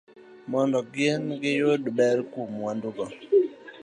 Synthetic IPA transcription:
mɔndɔɡenɡɪjodbɛɾkumwandʊɡɔ

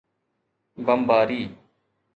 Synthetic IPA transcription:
bəmbaːɾiː

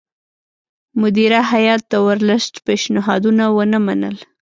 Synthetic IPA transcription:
mʊd̪iɾaɦajɑt̪̚d̪əwəɾləsʈpeʃnɪɦɑd̪unawənəmanə̰l

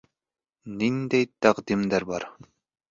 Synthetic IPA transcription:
nind̪ɛjt̪ːaqd̪imd̪ɛɾbɑɾ

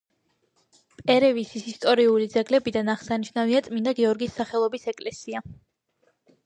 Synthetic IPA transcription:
pʼɛɾɛvisisist̪ʼɔɾiulid̪zɛɡlɛbid̪anaχsaniʃnaviat̪sʼmind̪aɡɛɔɾɡisːaχɛlˠɔbisɛkʼlɛsia

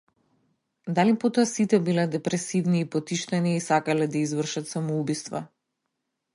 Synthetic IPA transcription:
d̪alipot̪ɔasit̪ɛbilɛd̪ɛpɾɛsivniːpɔt̪iʃt̪ɛniːsakalɛd̪aizvr̩ʃat̪samɔubist̪va̰

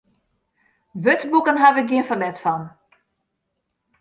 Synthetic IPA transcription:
ʋøtbukənɦaʋɪɡjiənfɔnɛtfɔn

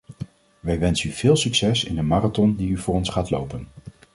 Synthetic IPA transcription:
ʋɛjʋɛnsənyv̥ɪːlˠsyksɛsɪ̰ndəmaːratɔndiyvʊːrɔnsχaːtlo̰wpən

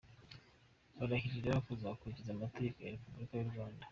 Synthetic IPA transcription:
βaɾaçiɾiɾaβakuzakuɾicizamateekojaɾepubɾikajuɾɡwaːnda

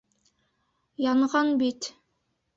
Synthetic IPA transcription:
jɑɴʁɑnbit̪

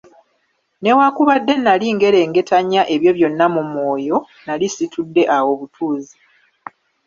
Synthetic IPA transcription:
ne̞wakuβadːe̞nːaliŋɡe̞ɾe̞ːŋɡe̞taɲːaʔe̞βjo̞βjo̞nːamumwo̞ːjo̞ | nalisitudːe̞ʔawo̞βutʰuːzi

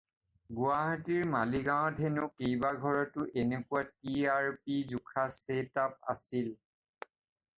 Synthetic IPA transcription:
ɡuaɦatiɹmaliɡãɔ̃dʱenʊkejbaɡʱɔɹɔtʊʔenekuatiaɹpizukʰasetap̚a̰sil

